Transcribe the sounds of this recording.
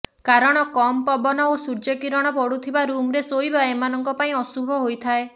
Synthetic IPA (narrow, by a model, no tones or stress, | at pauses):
kaɾɔɽ̃ɔkɔmpɔbɔnɔosuɾd͡ʒɔkiɾɔɽ̃ɔpɔɽut̪ʰibaɾumɾesojbaemanɔŋkɔpaĩɔsubʱɔɦojt̪ʰae